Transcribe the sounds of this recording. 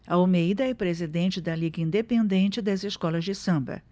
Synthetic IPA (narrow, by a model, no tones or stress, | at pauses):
ɐomejd̪ɐɛpɾezid̪ẽnt͡ʃɪd̪ɐliɡɐĩnd̪epẽnd̪ẽnt͡ʃɪd̪ɐzɪskɔlɐzd͡ʒɪsɐ̃bɐ̰